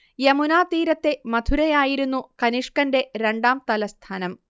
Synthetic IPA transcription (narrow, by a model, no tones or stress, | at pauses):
jɐmunaːt̪iːɾɐt̪ːe̞mɐd̪ʱuɾɐjaːjiɾunːukɐniʂkɐnde̞ɾe̞ɳɖaːmt̪ɐlɐst̪ʰaːnɐm